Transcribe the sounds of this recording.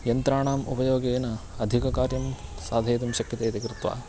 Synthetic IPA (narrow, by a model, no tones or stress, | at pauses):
jɐnt̪ɾaːɳaːmupɐjoːɡeːnɐɐd̪ʱikɐkaːɾjɐmsaːd̪ʱɐjːt̪ɐmʃɐkjɐt̪eːt̪ekɾɪt̪ʋa̰ː